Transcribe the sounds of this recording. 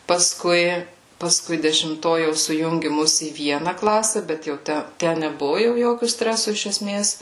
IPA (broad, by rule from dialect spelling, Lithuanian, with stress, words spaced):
pɐsˈkʊɪ pɐsˈkʊɪ dʲɛʃʲɪmˈtoː jɛʊ sʊˈjʊŋʲɡʲɪ ˈmʊs iː ˈʋʲiɛnɐ ˈklˠɑːsʲɛ ˈbʲɛt jɛʊ ˈtʲæ ˈtʲæ nʲɛˈbʊʋʊ ˈjoːkʲʊ ˈsʲtʲrʲæːsʊ ɪʃ ɛˈsʲmʲeːs